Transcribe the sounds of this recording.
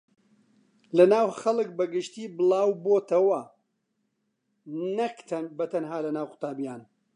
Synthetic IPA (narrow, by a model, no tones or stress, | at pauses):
lɐnaːwxɐlˠɨk̚bɐɡɨʃt̪iːbɨlˠaːwboːt̪ɐwɐ | nɐkt̪ʰɐnbɐt̪ʰɐnɦaːlɐnaːwqʊ̥t̪aːbijaːn